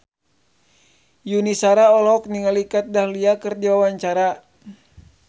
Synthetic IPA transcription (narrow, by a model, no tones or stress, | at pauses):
junisaɾaɔlɔk̚niŋalikat̪̚dahliakɨrdiwawaɲt͡ʃaɾa